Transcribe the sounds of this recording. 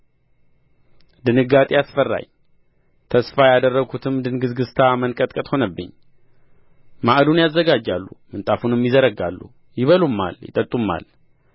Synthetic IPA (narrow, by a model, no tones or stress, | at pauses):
d̪ɨnɨɡat̪ʼejasfərːa̰ɲ | t̪ʰəsfajad̪ərːəɡʰut̪ʰɨmd̪ɨnɡɨzɡɨst̪ʰamənkʼət̪ʼkʼət̪ʼho̞nəbːɨ̰ɲː | maʔd̪unjazːəɡad͡ʒːalːumɨnt̪ʼafunɨmjɪzəɾəɡa̰lːṵ | jɪβəlumːa̰ljɪ̰t̪ʼət̪ʼːumːa̰l